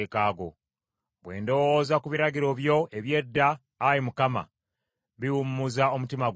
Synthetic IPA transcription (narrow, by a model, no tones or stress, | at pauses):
ekaːɡo̞̰ | βwe̞̰ːndowozakuβiɾaɡiɾo̞βjo̞ʔeβje̞dːaː | jimukama̰ | βiwumuuzao̞mutimaɡ